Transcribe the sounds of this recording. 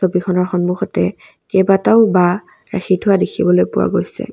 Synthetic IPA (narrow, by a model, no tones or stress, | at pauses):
obikʰɔnɔɹxɔnmuxɔtɛ | kɛbataʊba | ɹaxʰitʰʊwadekʰibɔlojpʊwa̰ɡojsɛ̰